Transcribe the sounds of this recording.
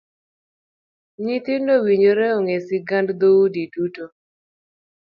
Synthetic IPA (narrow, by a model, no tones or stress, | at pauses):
ɲit̪ɪnowiɲoɾɛɔŋesiɡandd̪oudiduto